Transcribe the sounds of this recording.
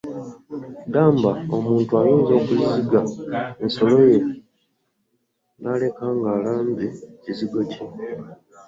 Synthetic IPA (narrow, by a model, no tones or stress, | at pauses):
daːmbao̰muːntuajiːnzo̞ːkuziziɡaenso̞loje̞ | nale̞kaːŋɡaːlaːndeciziɡo̞ci